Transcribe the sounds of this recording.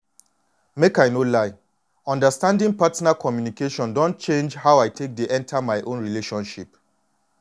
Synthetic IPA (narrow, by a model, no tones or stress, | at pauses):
mekajnolaɪ | ɔ̃ndəstãndĩŋpatnakʰɔmjunikeʃɔ̃ndɔ̃nt̚t͡ʃẽnd͡ʒhaʊaɪtʰek̚deʔɛ̃ntʰamaɪʔõnɹileʃɔ̃nʃip